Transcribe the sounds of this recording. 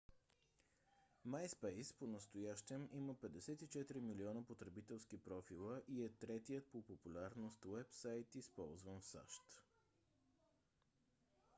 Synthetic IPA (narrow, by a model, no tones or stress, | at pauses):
majspɛjsponəst̪ojaʃt̪ɛmiməpɛd̪ɛsɛt̪it͡ʃɛt̪ɾimiliɔnəpot̪ɾɛbit̪ɛlˠskipɾɔfilˠəʔiɛt̪ɾɛt̪ijət̪̚popopulʲaɾnost̪wɛpsajt̪ispɔlˠzvənfsa̰ʃt̪